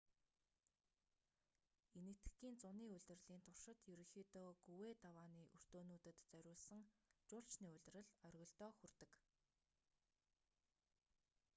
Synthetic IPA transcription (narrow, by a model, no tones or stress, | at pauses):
enɘ̆t̪xiːnt͡sʊniːɵɮʲt̪ɘ̆rɮiːnt̪ʰʊr̥ʃɪ̆t̪jɵɾɵ̆ŋxiːt̪ɔːɡuweːt̪awaːniːʔɵr̥t̪oːnuːt̪ɘ̆t̪t͡sœɾʲʊːɮsə̆ŋt͡ɕʊːɬt͡ɕniːɵɮʲt̪̆rɘ̆ɮœrʲɣɞ̆ɬt̪ɔːxɵrt̪ɘ̆k